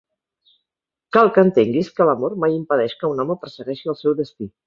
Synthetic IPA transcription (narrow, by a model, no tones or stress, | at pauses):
kalˠkəːnt̪eŋɡiskələmoɾmajimpəð̞ɛʃkəunɔməpəɾsəɣɛʃiəlˠsɛwðəst̪i